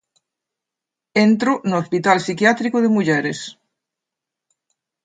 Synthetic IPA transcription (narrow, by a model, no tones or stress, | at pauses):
ẽnt̪ɾonoospit̪alsikjat̪ɾikoðemuʎeɾes